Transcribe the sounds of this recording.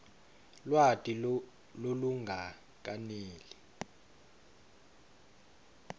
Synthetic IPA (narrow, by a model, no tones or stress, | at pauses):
lwatʼi | loluŋɡʱa | k̬ʼaneːli